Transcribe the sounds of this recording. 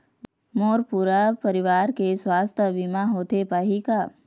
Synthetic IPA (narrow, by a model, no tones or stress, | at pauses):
moːɾpuːɾapɐɾɪʋaːɾkeswaːst̪ʰəbimaɦoːt̪epaːɦikaː